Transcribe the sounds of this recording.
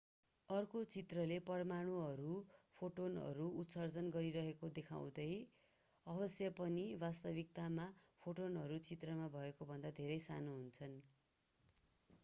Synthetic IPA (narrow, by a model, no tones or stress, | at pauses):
ʌrkot͡sit̪rʌlepʌrmaɽ̃uɦʌɾupʰoʈonʌ̰ɾuːt̪sʌrd͡zʌnɡʌɾiɾʌɦekod̪ekʰa̰w̃d̪ʌj | ʌbʌsjʌpʌnibast̪ʌbik̚t̪amapʰoʈonɦʌɾut͡sit̪rʌmabʱʌekobʱʌnd̪ad̪ʱeɾʌjsa̰noɦunt͡sʰʌn